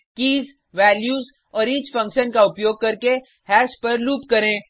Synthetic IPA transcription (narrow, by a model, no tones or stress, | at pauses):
kiːz | ʋɛːljuːz | ɔːɾiːt͡ʃfɐ̃ŋkʃənkaʊpjoːɡ̚kɐɾke | hɛːʃpɐɾluːpkɐɾẽː